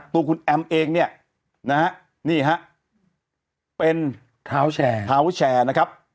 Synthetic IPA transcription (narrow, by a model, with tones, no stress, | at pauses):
t̪uː˧kʰu˧nʔɛ˧mʔeː˧ŋni˥˩ɐ | na˦˥ha˦˥ʔ | niː˥˩ɦa˦˥ʔ | pe˧n | t̪ʰaː˦wt͡ɕʰɛː˧t̪ʰaː˦˥wt͡ɕʰɛː˧na˦˥kʰɾa˦˥p̚